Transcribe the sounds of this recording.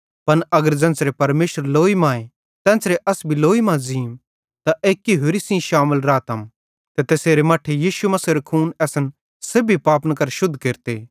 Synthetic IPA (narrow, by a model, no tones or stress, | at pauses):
pɐnɐɡəɾd͡ʒɐ̃ːnt͡sɾepɐɾmeːʃəɾloːimãːe | t̪ɛ̃ːnsɾeʔɐsbʱiloːimãziːm | t̪aʔeːkːiɦʊɾisĩʃaːməlɾaːt̪ɐm | t̪et̪eːseːɾemaːʈʰːejiːʃumɐsiːɾekʰuːnɛːsən | sebʱipaːpnkɐɾʃʊd̪ʱkeːɾt̪eː